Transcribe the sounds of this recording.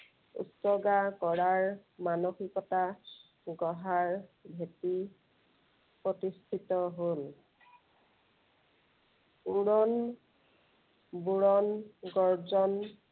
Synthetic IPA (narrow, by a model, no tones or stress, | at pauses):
ṵsɔɡakɔɹaɹmanoxikɔta | ɡɔɦaɹbʱeti | pɹotistʰitɔɦol | uɹɔn | buɹɔnɡɔɹzɔn